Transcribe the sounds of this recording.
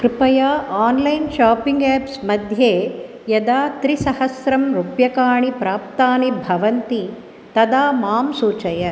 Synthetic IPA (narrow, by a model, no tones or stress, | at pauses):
kɾɪpɐjaːʔaːnlɐjnʃaːpiŋɡæːpsmɐd̪ʱjeː | jɐd̪aːt̪ɾisɐhɐsɾɐmɾupjɐkaːɳipɾaːp̚t̪aːnibʱɐʋɐnt̪i | t̪ɐd̪aːmaːmsuːt͡ʃɐjɐ